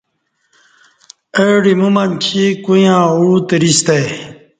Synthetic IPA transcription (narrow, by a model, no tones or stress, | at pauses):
eɽimumɐnkʰikujãːuːt̪iɾist̪e